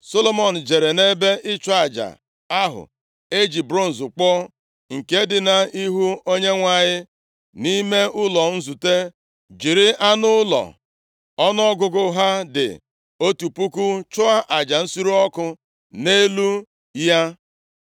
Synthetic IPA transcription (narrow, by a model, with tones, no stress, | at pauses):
so˦lo˦mɔ˨n̩˨d͡ʒe˨ɾe˨ne˦be˦ʔɪ˦t͡ʃʊ˦a˨d͡ʒa̰˨ | a˦ɦʊ̰˨ | e˦d͡ʒi˨bɾo˦n̩˨zʊ˨k͡pɔ˦ | ŋ̩˨ke˦dɪ˨na˨i˦ɦu˦o˦ɲe˦ŋʷa˨ɲɪ˦ | ni˦me˦ʊ˦lɔ˨n̩˦zu˨te˦ | d͡ʒi˨ɾɪ˦a˦nʊ˦lɔ̰˨ | ɔ˦n˦ɔ˦ɡʊ˦ɡʊ˦ɦa˦dɪ̰˨ | o˦tu˨pu˦ku˦t͡ʃʊ˦a˦ʔa˨d͡ʒa˨n̩˦su˦ɾu˦ɔ˦kʊ˦ | ne˦lu˦ | ja˦